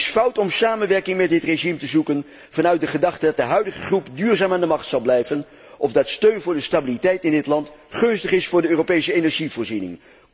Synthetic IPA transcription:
sfʌwtɔmsaːmənʋɛɹkɪŋmɛt̚dɪtreʒimtəzukən | v̥ɑnœɥt̚dəχədɑχtədɑt̚dəɦœɥdəχəχrupdyːɹzaːmaːndəmɑχtsɑlˠblɛjvən | ʔɔvdɑtstøɥnvʊːɹdəstabilitɛjtɪndɪtlɑntχɵnstəχɪsfʊːɹdəøːropejsəenɛɹʒivʊːɹzinɪ̰ŋ

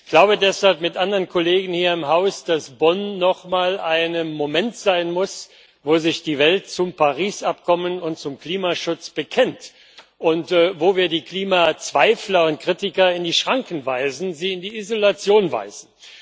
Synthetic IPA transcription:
ɡ̥laʊbədɛshalpmɪtʔandɐʁənkʰɔleːɡn̩hiːɐɪmɦaʊsd̥asb̥ɔnːɔχmaːlʔaɪnəmomɛntz̥aɪnmʊs | voːzɪçd̥iːvɛlt̚t͡sʊmpaʁiːsʔap̚kʰɔmənʊntt͡sʊmkl̥iːmaʃʊt͡sb̥əkʰɛnt | ʔʊntvoːviːɐdiːkl̥iːmaːt͡sv̥aɪflɐʊnt̚kʁ̥itɪkɐɪndiːʃʁ̥aŋkn̩vaɪzn̩ziːɪndiːizolat͡sjoːnva̰ɪzn̩

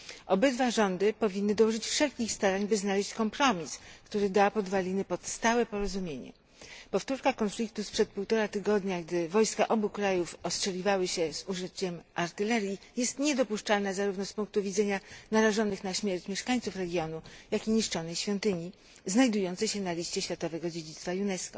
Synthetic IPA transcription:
ʔɔbɘd̪vaʐɔnd̪ɘpɔvʲinːɘd̪ɔwɔʐɘt͡ɕfʂɛlkʲixst̪aɾaɲbɘznalɛɕt͡ɕkɔmpɾɔmʲiskt̪uɾɘd̪apɔd̪valʲinɘpɔt̪st̪awɛpɔɾɔzumʲjeɲɛ̰ | pɔft̪uɾkakɔnflʲik̚t̪uspʂɛt̪̚puwt̪ɔɾat̪ɘɡɔd̪ɲaɡd̪ɘvɔjskaʔɔbukɾajufɔstʂɛlʲivawɘɕɛz̥uʐɘt͡ɕɛmʔaɾt̪ɘlɛɾʲji | jɛst̪ɲɛd̪ɔpuʂt͡ʂalnazaɾuvnɔspuŋk̚t̪uvʲid̪zɛɲanaɾaʐɔnɘxnaɕmʲjɛɾt͡ɕmʲɛʂkaɲt̪sufɾɛɡʲjɔnujakiɲiʂt͡ʂɔnɛjɕfʲjɔnt̪ɘɲi | znajd̪ujɔnt̪sɛɕɛnalʲiɕt͡ɕɛɕfʲjat̪ɔvɛɡɔd͡ʑed͡ʑit̪st̪fajunɛskɔ

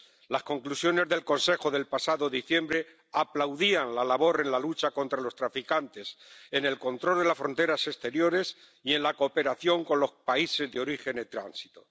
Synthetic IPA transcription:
lasko̞ŋklusjo̞ne̞zðe̞lko̞nse̞xoðe̞lpasaðo̞ðiθje̞mbɾe̞ | aplawðianlalaβo̞ɾe̞nlalut͡ʃako̞nt̪ɾalo̞st̪ɾafikant̪e̞sene̞lko̞nt̪ɾo̞ld̪elasfɾo̞nt̪e̞ɾase̞st̪e̞ɾjo̞ɾe̞s | ie̞nlakoːpe̞ɾaθjo̞ŋko̞nlo̞hpaise̞zðeo̞ɾixe̞net̪ɾa̰nsi̥t̪o̥

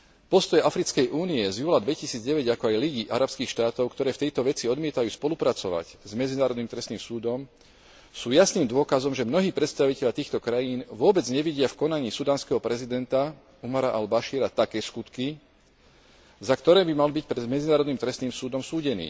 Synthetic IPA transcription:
pɔst̪ɔjɛʔafɾit͡skɛjʔuːniɛzjuːlad̪ʋɛcisiːd͡zɟɛʋɛɟakɔajliɟiʔaɾapskiːxʃt̪aːt̪ɔʊkt̪ɔɾɛːft̪ɛjt̪ɔʋɛt͡siɔd̪mɪɛt̪ajuːspɔlupɾat͡sɔʋa̰czmɛd͡zinaːɾɔd̪niːmt̪ɾɛst̪niːmsuːd̪ɔm | suːjasniːmd̪ʊɔkazɔmʒɛmnɔɦiːpɾɛt̪st̪aʋicɛʎjat̪iːxt̪ɔkɾajiːnʋʊɔbɛd͡zɲɛʋiɟɪafkɔnaɲiːsud̪aːnskɛɦɔpɾɛzid̪ɛnt̪a | umaɾaʔalbaʃiːɾat̪akɛːskut̪ki | zakt̪ɔɾɛːbimalbic̚pɾmɛd͡zinaːɾɔd̪niːmt̪ɾɛst̪niːmsuːd̪ɔmsuːɟɛnḭː

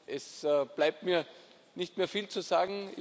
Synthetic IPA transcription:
ʔɛsb̥laɪp̚tmiːɐ | nɪçtmeːɐfiːlt͡suzaːɡŋ̩ɪ

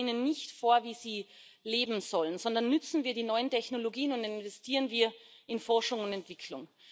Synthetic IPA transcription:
iːnənːɪçtfoːɐviːziː | leːbm̩z̥ɔlənzɔndɐnːʏt͡sn̩viːɐdiːnɔʏəntʰɛçnoloɡiːənʊntɪnvɛstʰiːʁənviːɐɪnfɔɐʃʊŋʊndɛntv̥ɪkʰlʊŋ

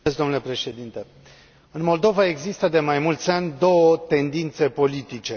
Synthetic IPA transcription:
sd̪o̞nule̞pɾe̞ʃed̪int̪e | ɨnmo̞ld̪o̞vae̞ɡzist̪əd̪e̞majmult̪sʲanʲd̪o̞wət̪e̞nd̪int̪se̞po̞lit̪it͡ʃe

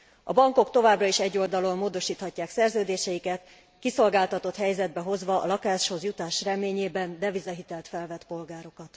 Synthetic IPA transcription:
ɒ̰bɒŋko̞kt̪o̞vaːbrɒiʃɛɟːo̞ld̪ɒlommoːd̪o̞ʃiːt̪hɒcːaːksɛrzøːd̪eːʃɛjikɛt̪ | kiso̞lɡaːlt̪ɒt̪o̞t̪hɛjzɛd̪̚bɛɦo̞zʋɒɒ̰lɒkaːʃho̞zjut̪aːʃrɛmeːɲeːbɛnd̪ɛvizɒɦit̪ɛlt̪fɛlvɛt̪po̞lɡaːɾo̞kɒt̪

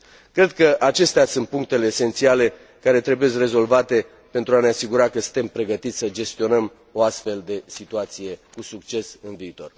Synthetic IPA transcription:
kɾe̞d̪kəʔat͡ʃe̞st̪easunt̪̚puŋk̚t̪e̞le̞ːse̞nt̪siale̞ | kaɾe̞t̪ɾe̞bujeskre̞zo̞lvat̪e̞ | pe̞nt̪ɾuaneasiɡuɾakəsɨnt̪e̞mpɾe̞ɡət̪it̪ʲsəd͡ʒe̞st̪io̞nəm | o̞ast̪fe̞ld̪e̞sit̪uat̪sije̞kusuk̚t͡ʃe̞sɨnviːt̪o̞̰r

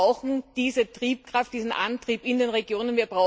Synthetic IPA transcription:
aʊxn̩d̥iːzətʁ̥iːp̚kʁ̥aft̚d̥iːzn̩ʔa̰ntʁ̥iːpɪndeːnʁeɡjoːnənviːɐbʁaʊ

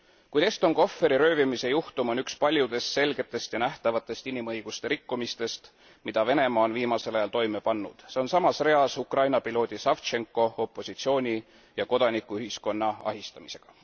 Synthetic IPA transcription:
kujt̪e̞st̪o̞ŋko̞fːe̞ɾiɾø̞ːvimise̞juht̪umo̞nykspɑlʲjud̪̥e̞st̪se̞lɡ̥e̞t̪ːˑe̞st̪jɑnæht̪ɑvɑt̪ːˑe̞st̪inimɤjɡ̥ust̪e̞ɾikːumist̪e̞st̪ | mid̪̥ɑve̞ne̞mɑːo̞nviːmɑse̞lɑjɑlt̪o̞jme̞pɑnːṵd̪̥se̞o̞nsɑmɑsre̞ɑsukrɑjnɑpilo̞ːd̪̥ʲisɑft̪t͡ʃe̞ŋkːˑo̞opˑːo̞sit̪sio̞ːnʲi | jɑko̞d̪̥ɑnikːˑuyhisko̞nːɑɑ̰ɦist̪ɑmise̞ɡ̥ɑ̥

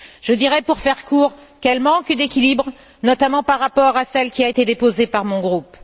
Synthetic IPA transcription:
ʒ̥əd̪iʁɛpuʁfɛʁkuʁkɛlmɑ̃kd̪ekʲilibʁ | nɔt̪amɑ̃paʁːapɔʁasɛlkʲiaet̪ed̪epozepaʁmɔ̃ɡʁup

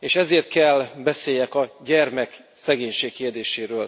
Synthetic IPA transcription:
eːʃɛzeːrt̪̚kɛlbɛseːjɛkɒɟɛrmɛk | sɛɡeːɲʃeːkkːeːrd̪eːʃeːɾøːl

